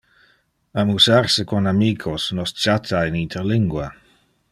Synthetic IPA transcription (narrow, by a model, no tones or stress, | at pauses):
amusarsəkonamiːkʰosnost͡ʃat̪ʰainit̪ʰeɾliŋɡwa